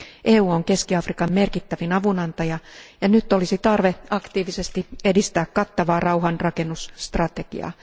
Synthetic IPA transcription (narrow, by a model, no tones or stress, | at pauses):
ʔeːuːoŋke̞skiɑfrikɑmme̞rkit̪ːæʋinɑʋunɑnt̪ɑjɑjɑnyt̪ːo̞lisit̪ɑrʋeɑkt̪iːʋisest̪ie̞dist̪æːkkɑt̪ːɑʋɑːrʔɑwɦɑnrɑke̞nːusːt̪rɑt̪e̞ɡ̥ḭɑ̰ː